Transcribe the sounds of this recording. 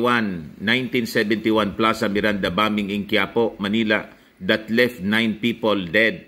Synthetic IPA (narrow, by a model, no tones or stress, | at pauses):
wanːajnt̪ĩnsɛbɛnt̪iwanplasɐmɪɾand̪ɐbaːmɪŋɪŋkjaːpoʔmɐniːla̰ | d̪ɐt̪lɛft̪najnpiːpold̪ɛd̪̚